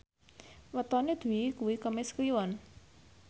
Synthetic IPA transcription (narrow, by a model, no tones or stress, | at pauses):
wət̪ɔned̪̥ṳikuwikəmeskliwɔn